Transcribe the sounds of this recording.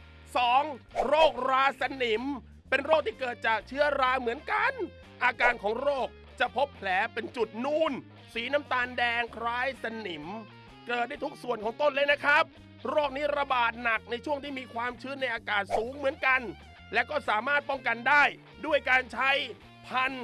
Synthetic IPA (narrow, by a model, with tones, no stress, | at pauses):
sɔː˨˩˦ŋɾoː˥˩k̚ɾaː˧sa˧ni˨˩˦m | pe˧nɾoː˥˩k̚t̪ʰiː˥˩kɤː˨˩t̪̚t͡ɕaː˨˩k̚t͡ɕʰɯ˦˥ɐɾaː˧mɯ˩˦ənka˧n | ʔaː˧kaː˧nkʰɔː˩˦ŋɾoː˥˩k̚ | t͡ɕa˨˩pʰo˦˥pʰːlɛː˩˦pe˧nt͡ɕu˨˩t̪̚nuː˧˩n | siː˩˦na˦˥mt̪aː˧ndɛː˧ŋkʰɾaː˦˥jsa˧ni˨˩˦m | kɤː˨˩t̪̚da˥˩jt̪ʰu˦˥k̚su˨˩ənkʰɔː˨˩˦ŋt̪o˥˩nlɤː˧jna˦˥kʰɾa˦˥p̚ | ɾoː˥˩k̚niː˦˥ɾa˧baː˨˩t̪̚na˨˩k̚na˧jt͡ɕʰu˥˩əŋt̪ʰiː˥˩miː˧kʰwaː˧mt͡ɕʰɯː˦˥nna˧jʔaː˧kaː˨˩t̪̚suː˨˩˦ŋmɯ˩˦ənka˧n | lɛ˦˥wkɔː˥˩saː˩˦maː˥˩t̪̚pɔ˥˩ŋka˧ndaː˥˩j | du˥˩əjkaː˧nt͡ɕʰa˦˥j | pʰa˧n